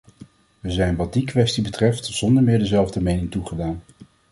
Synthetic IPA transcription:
ʋəzɛjnʋɑd̚dikʋɛstibətrɛftz̥ɔndəɹmɪːɹdəzɛlˠvdəmejnɪŋtuχədaːn

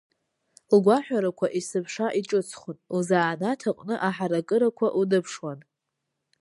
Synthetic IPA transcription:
lɡʷaħᶣʷaɾakʷʰaʔisɨpʰʂaʔiʈ͡ʂʼɨt͡sʰχʊnuzaːnatʰaqʼnɨʔaħaɾakʼɨɾakʷʰaʔudɨpʰʂwan

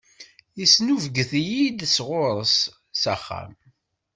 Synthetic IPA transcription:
jisnuvɡəθjid̪sʁʊɾˤəsː | æχːæ̰m

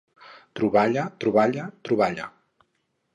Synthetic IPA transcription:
t̪ɾuβaʎət̪ɾuβaʎat̪ɾuβaʎa̰

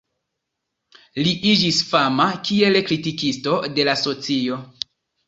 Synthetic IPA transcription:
liʔid͡ʒisfamakie̞lkɾitikisto̞de̞laso̞t͡sio̞

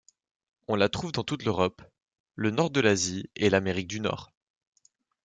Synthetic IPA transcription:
ɔ̃lat̪χuvd̪ɑ̃t̪ut̪løʁɔp | lənɔʁd̪əlazielameʁik̚d̪ynɔ̰ːʁ

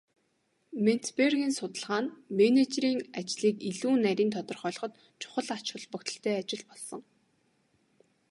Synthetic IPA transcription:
men̥t̪perɣiːnsʊt̪ə̆ɮʁaːnmenet͡ɕriːŋat͡ɕɮiːkiɮuːnæɾʲiːnt̪ʰɔt̪ɞ̆rχɔːɮɞ̆χɞ̆t̪ | t͡ɕʰʊ̥χə̆ɮat͡ɕwə̆ɮpʊkt̪ə̥̆ɬt̪ʰeːat͡ɕɪ̆ɮpɔɮsɞ̆ŋ

